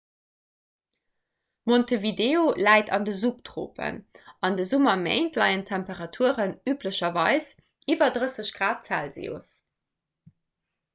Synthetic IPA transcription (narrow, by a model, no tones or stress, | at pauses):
montəvideːolæɪtɑ̰ndəzuptʁo̰ːpʰə̰nɑndəzumɐmḛɪntlɑɪəntʰæmpəʁɑtʰuəʁənyːpləɕɐvɑɪs | ʔivɐdʁəsəɕɡ̥ʁaːt̚t͡sælzḛo̰s